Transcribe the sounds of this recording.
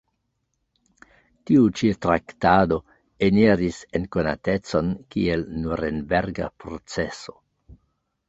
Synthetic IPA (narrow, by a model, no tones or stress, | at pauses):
tiut͡ʃitɾaktado̞ | eniɾise̞nkona̰te̞t͡so̞nkielnuɾenbeɾɡa̰pɾo̞t͡seso̞̥